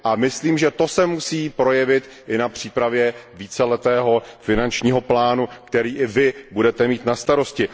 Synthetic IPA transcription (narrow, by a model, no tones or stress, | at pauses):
ʔamɪsliːmʒɛt̪o̞sɛmusiːpɾo̞jɛvɪt̪ | ʔɪnapr̝̥iːpɾavjɛviːt͡sɛlɛt̪ɛːɦo̞fɪnant͡ʃɲiːɦo̞plaːnukt̪ɛɾiːʔɪvɪbudɛt̪ɛmiːt̪nast̪aɾo̞scɪ